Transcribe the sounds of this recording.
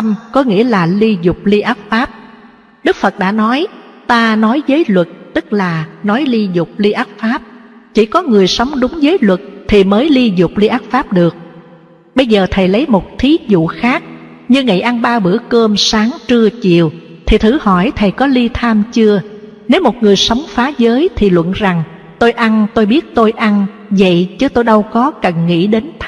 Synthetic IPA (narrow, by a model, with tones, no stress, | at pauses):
mkɔ˨˦ŋḭ˧˥əlaː˨˩li˧zʊ˨˩k͡p̚li˧ʔaː˦˥t̚faː˦˥p̚ | ɗɨ˦˥k̚fə˨˩t̚ɗa̰ː˧˥nɔ˨˦jt̪aː˧nɔ˨˦jzəː˨˦jlwə˨˩t̚t̪ɨ˦˥k̚laː˨˩nɔ˨˦jli˧zʊ˨˩k͡p̚li˧ʔaː˦˥t̚faː˦˥p̚t͡ɕḭ˧˩kɔ˨˦ŋɨ˨˩əjsa˨˦wŋ͡mɗʊ˨˦ŋ͡mzəː˨˦jlwə˨˩t̚t̪ʰi˨˩məː˨˦jli˧zʊ˨˩k͡p̚li˧ʔaː˦˥p̚faː˦˥p̚ɗɨ˨˩ək̚ | ɓə˧jzəː˨˩t̪ʰə˨˩jlə˨˦jmo˨˩t̚t̪ʰi˨˦zṵ˧˨xaː˦˥k̚ | ɲɨ˧ŋḭ˧˨jʔa˧nɓaː˧ɓɨ̰˧˩əkəː˧msaː˨˦ŋt͡ɕɨ˧ət͡ɕḭ˧˨əw | t̪ʰi˨˩t̪ʰɨ˧˩hɔ˧˩jt̪ʰə˨˩jkɔ˨˦li˧t̪ʰaː˧mt͡ɕɨ˧ə | ne˨˦wmo˨˩t̚ŋɨ˨˩əjsə˨˦wŋ͡mfaː˨˦zəː˨˦jt̪ʰi˨˩lwə̰˧˨nza˨˩ŋ | t̪o˧jʔa˧nt̪o˧jɓi˦˥ət̚t̪o˧jʔa˧n | və̰˧˨jt͡ɕɨ˨˦t̪o˧jɗə˧wkɔ˨˦kə˨˩nŋḭ˧˥ɗe˨˦nt̪ʰ